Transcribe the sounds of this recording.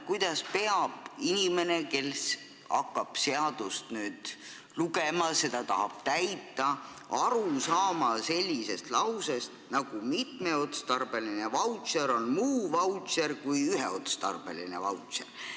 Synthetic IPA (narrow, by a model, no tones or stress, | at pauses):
kujd̪̥ɑspe̞ɑb̥inime̞ne̞ke̞ls | ɑ̰kːɑb̥seɑd̪̥ust̪nyːd̪̥ | luɡemɑse̞d̪̥ɑt̪ɑɦɑb̥t̪æjt̪ːˑɑ | ɑɾusɑːmɑse̞lʲːise̞st̪lɑwsest̪nɑɡ̥umit̪me̞o̞t̪st̪ɑrb̥e̞line̞vɑwt̪seɾo̞nmuːvɑwt̪seɾkujyɦeo̞t̪st̪ɑ̰rb̥e̞̰lḭne̞̰vɑwt̪sḛr